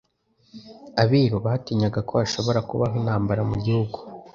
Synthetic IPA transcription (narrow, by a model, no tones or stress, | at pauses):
aβiɾuβahatiɲaɡako̞aʃo̞βo̞ɾakṵβaɦwinhaːmbaɾamuɟihuɡu